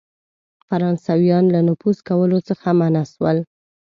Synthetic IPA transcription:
faɾɑnsawjɑnlanʊfuskawəlot͡səxamanaʃwəl

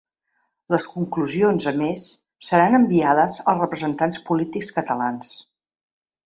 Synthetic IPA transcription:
ləskuŋkluzionzəmesː | əɾanəmbiaðəzəlˠsrəpɾəzənt̪anspulit̪ikskət̪əlans

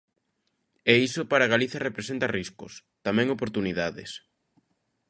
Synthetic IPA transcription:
ɛisopaɾaɣaliθjɐrepɾesent̪ɐriskʊ̰st̪amɛ̃ŋopoɾt̪uniðaðɪ̰s

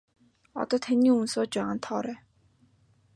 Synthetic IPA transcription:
ɔ̰t̪ɔːt̪ʰaniːunsoːt͡ɕt͡ɕpaʁaːnt̪ʰɔːɾæː

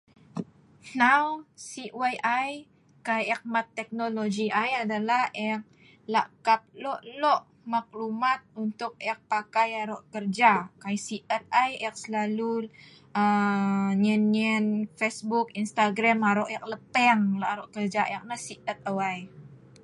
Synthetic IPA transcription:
nawsiwajʔaj | kajɛk̚mat̪ːɛk̚nolod͡ʒiʔajadalahɛk̚ | laʔkap̚lɔʔlɔʔ | mak̚lumat̪̚unt̪ʊk̚ɛk̚pakajaɾɔʔkərd͡ʒakajsiʔət̪̚ajɛk̚səlalu | ə | ɲɛniənfesbukinst̪aɡɾamaɾɔʔjɛk̚ləpɛŋlɔʔaɾɔʔkərd͡ʒaʔɛk̚nasiʔət̪̚awaj

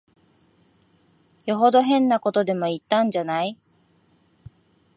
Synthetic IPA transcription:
joɦo̞d̪o̞ɦẽ̞nːako̞t̪o̞d̪e̞mo̞it̪ːãɲ̟d͡ʑanai

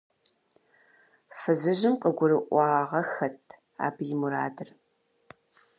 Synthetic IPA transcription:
fɨzɨʑɪmqəɡʷʊɾɨʔʷɑːʁɐxɐtʰ | a̰ːbjɪmuɾaːdɨr

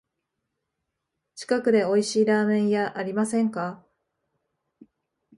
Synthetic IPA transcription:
t͡ɕi̥kakɯ̟d̪e̞o̞iɕiːɾaːmẽ̞ɰ̃jaʔaɾʲimasẽ̞ŋka

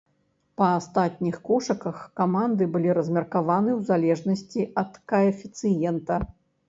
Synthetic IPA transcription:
pɐast̪at̪̚ʲnʲixkɔʂɐkɐxkamand̪ɨbɨlʲiɾɐzʲmʲɐrkavanɨwzalʲɛʐnɐsʲt͡sʲiʔɐt̪kɐɐfʲit̪sɨjɛnt̪ɐ

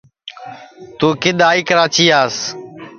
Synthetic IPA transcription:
t̪uːkɪɗ̪aːiːkəɾaːt͡ʃiːaːs

